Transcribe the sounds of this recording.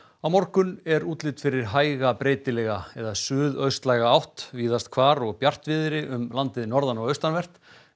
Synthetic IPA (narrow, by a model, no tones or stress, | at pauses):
awmɔɾkʏnɛɾuːt̪lɪt̪fɪɾɪɾ̥ɦaːjɣapɾeːjt̪ɪlɛɣaɛðasʏːðœɥst̪lajɣaawht̪viːðast̪̚kʰvaːɾɔɣpjar̥t̪vɪðɪɾɪʔʏmlant̪ɪðnɔɾðanɔɣœɥst̪anvɛr̥t̪